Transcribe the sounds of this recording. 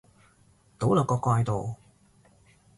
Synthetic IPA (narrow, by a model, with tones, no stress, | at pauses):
t̪o˨˥wlɐː˨˩kɔː˧kwaː˧jt̪o˨w